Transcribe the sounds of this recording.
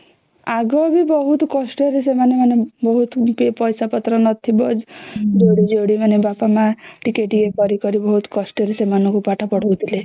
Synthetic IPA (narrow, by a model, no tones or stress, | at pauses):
aɡɔbibɔɦut̪kɔsʈɔɾes̬emanemanebɔɦut̪pepɔjsapɔt̪ɾɔnɔt̪ʰibɔd͡ʒd͡ʒoɽid͡ʒoɽimanebapamaʈikeʈikekɔɾikɔɾibɔɦut̪kɔsʈɔɾesemanɔ̃ŋkupaʈʰapɔɽ̤owt̪ʰile